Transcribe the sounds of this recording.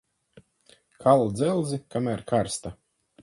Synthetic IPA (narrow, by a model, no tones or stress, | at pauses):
kʰalˠud̪zɛlˠzikamæɾkaɾst̪a